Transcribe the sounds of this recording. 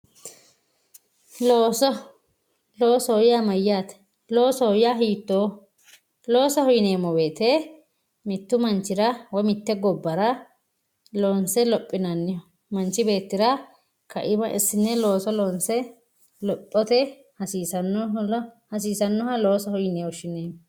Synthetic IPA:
loːsɔ | loːsɔhɔjamɐjaːt̪ | lo̞ːsɔɔjaɦiːt̪ːoː | lo̞ːsɐhɔjɪneːmːɔbe̞ːt̪e | mɪt̪ːʊmɐnt͡ʃːɪɾɐwɔjmɪt̪ːɛɡɔbːɐɾɐ | loːnsɛlɔpʼːɪnɐnːɪ | mɐnt͡ʃːɪbe̞ːt̪ːɪɾɐ | kʰɐ̰ʔɪbɐʔɪ̰sːɪnːɛlo̞ːsɔloːnsɛ | lɔpʼːɔt̪ɛ | hɐsiːsɐnːɔhɐs̬iːsɐnːɔhɐloːsɐhɔjneːwɔʃɪneːm

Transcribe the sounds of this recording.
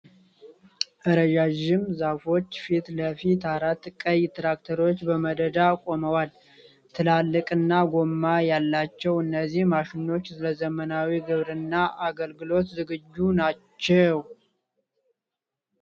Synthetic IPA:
ʔɨɾəʒaʒɪmzafo̞t͡ʃːfit̪ləfit̪ʰaɾat̪kʼəjt̪ɾak̚t̪ʰəɾo̞t͡ʃːbəməd̪əd̪akʼo̞məwal | t̪ʰɨlalːɨkʼɨnːaɡo̞mːajalːat͡ʃːɛwɨnːəzːihmaʃɪnːo̞t͡ʃːsɨləzəmənawiɡɨβɾɨnːaʔaɡəlɡɨlo̞t̪zɨɡɨd͡ʒːunat͡ʃːɛw

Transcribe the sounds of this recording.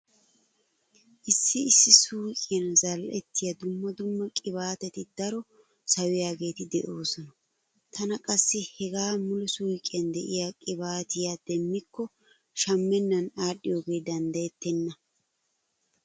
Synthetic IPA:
ʔɪsːɪɪsːɪsuːkʼɪjɐnzɐlʔɛt̪ːɪjɐd̪ʊmːɐd̪ʊmːɐkʼɪβaːt̪ɛt̪ɪd̪̥ɐɾɔ | sɐwɪjaːɡe̞ːt̪ɪd̪ɛʔo̞ːsɔnɐ | t̪ʰɐnɐkʼɐsːɪhɛɡaːmʊlɛsuːjkʼːɪɐnd̪ɛʔɪjaːkʼɪbaːt̪ɪjad̪̥ɛmːɪkːɔ | ʃɐmːɛnːɐnaːɗːɪjo̞ːɡe̞ːd̪ɐnd̪ɐjɛt̪ːɛnːɐ

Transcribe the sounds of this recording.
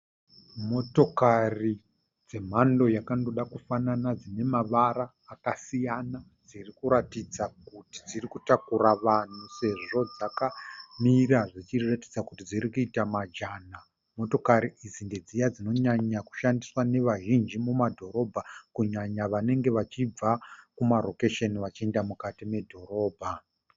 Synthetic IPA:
mo̞to̞kari | d͡ze̞m̤ando̞jakando̞ɗakufananad͡zine̞maʋaɾaːkasijana | d͡zirikuɾatid͡zakuti̥d͡zirikutakuɾaʋan̤use̞ʐo̞d͡zakamiɾaʐit͡ʃiratid͡zakutid͡ziɾikuitamad͡ʒana | mo̞to̞kaɾiid͡zinde̞d͡zijad͡zino̞ɲaɲaku̥ʃandiswane̞ʋaʒind͡ʒimumadʱo̞ɾo̞bʱakuɲaɲaʋane̞ŋɡe̞ʋat͡ʃib͡vakumaro̞ke̞ʃeniʋat͡ʃie̞ndamukatime̞dʱo̞ɾo̞ːbʱa

